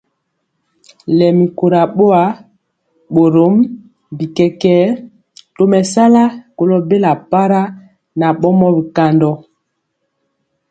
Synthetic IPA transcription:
lɛ˨mi˨ko˨ɾa˨ɓo˦a˨˦ | ɓo˨ɾo˦m | bi˨kɛ˨kɛː˦ | to˨mɛ˨sa˦la˦ko˨lo˦be˦la˨pa˦ɾa˦ | na˨ɓɔ˦mɔ˦bi˨ka˨ndɔ˨

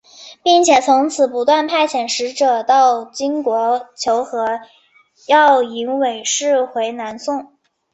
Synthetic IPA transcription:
pi˥˩ŋt͡ɕʰjɛ˨˩t͡sʰʊ˧˥ŋt͡sʰɹ̩˨˩pu˧˥t̪wa˥˧npʰa˥˩ɪɕʰjɛ˨˩nʂɻ̩˧˥ʈ͡ʂɤ˨˩t̪ɑ˥˩ʊt͡ɕi˥ŋkwɔ˧˥t͡ɕʰjo˧˥ʊxɤ˧˥ | jɑ˥˩ʊi˧˥nwe˨˩ɪʂɻ̩˥˩xwe˧˥ɪna˧˥nsʊ˥˩ŋ

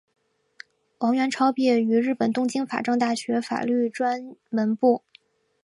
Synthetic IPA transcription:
wɑ˧˥ŋɥɛ˧˥nʈ͡ʂʰɑ˥ʊpjɛ˥˩y˧˥ɻɻ̩˥˩pə˨˩nt̪ʊ˥ŋt͡ɕi˥ŋfa̰˨˩ʈ͡ʂɤ˥˧ŋt̪̬a˥˩ɕɥɛ˧˥fa̰˨˩ly˥˩ʈ͡ʂwa˥nmə˧˥npu˥˩

